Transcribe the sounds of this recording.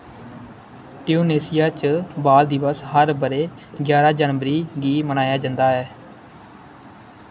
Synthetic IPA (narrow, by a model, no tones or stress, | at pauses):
ʈɪjoːneːsɪjaːt͡ʃəbaːld̪ɪʋəsɦəɾbəɾeː | ɡjaːɾaːd͡ʒənʋəɾiːɡiːmənaːjaːd͡ʒãnd̪aːɦɛː